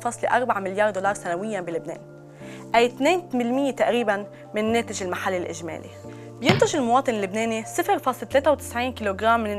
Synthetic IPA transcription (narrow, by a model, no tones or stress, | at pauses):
fɑːsˤliʔɑɾˤbaʕamɪljɑːɾd̪olɑːɾˤsanawɪjːabilɪbnḛːn | ʔajt̪neːnmɪlmɪjːet̪aʔɾiːban | mɪnːeːt̪ɪʒɪlmaħalːɪlʔɪ̰ʒmḛːlḭ | bjɪnt̪ʊʒɪlmʊwɑːt̪ˤɨnɪlːɪbneːnisˤɪfɪɾfɑːsˤlt̪leːt̪awt̪ɪ̥sʕiːnkiːloɡɾaːmːɪnɪ